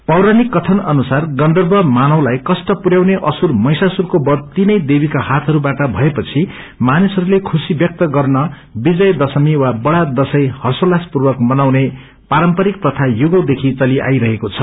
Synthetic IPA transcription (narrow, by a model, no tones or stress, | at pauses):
pʌwɾanikːʌt̪ʰʌnʌnusarɡʌnd̪ʌrbʱʌmanʌwlajkʌsʈʌpuɾjawneʔʌsurmʌjsasurkobʌd̪̚t̪inʌjd̪ebikahat̪ʰʌɾubaʈʌbʱʌepʌt͡sʰi | manisʌɾulekʰusibjʌk̚t̪ʌɡʌrnʌ | bid͡zʌjd̪ʌsʌmiwabʌɽad̪ʌsʌjhʌsolaspurbʌkmʌnawne | paɾʌmpʌɾik̚t̪ʌt̪ʰajuɡʌwd̪ekʰit͡sʌliʔa̰jɾʌɦekot͡sʰʌ